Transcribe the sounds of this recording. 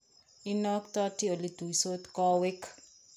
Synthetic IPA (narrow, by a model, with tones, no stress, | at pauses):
inɔ˦kt̪ɔ˦ti˦o˨lid̪u˨iso˦t̪kɔ˦wɪ˦k